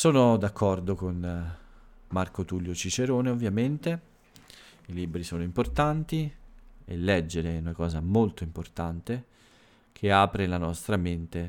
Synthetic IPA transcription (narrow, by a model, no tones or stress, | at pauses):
soːnod̪akʰːɔrd̪okon | markot̪uljot͡ʃit͡ʃeɾoːneovːjament̪e | ilibɾisoːnoimport̪ant̪iḛlːɛd͡ʒːeɾeunakɔːzamolt̪oimport̪ant̪e | kʰeaːpɾelanɔst̪ɾament̪e